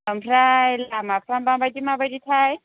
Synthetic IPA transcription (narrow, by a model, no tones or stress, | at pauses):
lam̩railamapʰrambambajdimabajditʰaːi